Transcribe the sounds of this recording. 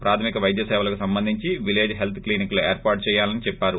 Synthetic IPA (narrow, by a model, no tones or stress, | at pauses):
pɾaːt̪ʰɐmikɐʋɐjd̪jɐsɛːʋɐlɐkusɐmbɐnd̪ʱiɲt͡ʃiʋile̞ːd͡ʒɦelt̪ʰkliːniklueːɾpaːɾʈ̚t͡ʃɛːjaːlɐnit͡ʃɛpːaːɾu